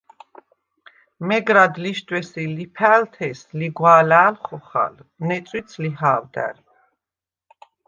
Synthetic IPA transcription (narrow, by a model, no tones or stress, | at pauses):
mɛɡɾad̪liʃt̪ʰʼwɛsilipʰæːlt̪ʰɛsliɡwaːlaːlχɔχa̰lnɛt̪t͡ssʼwit̪sʰlihaːwd̪æ̰ɾ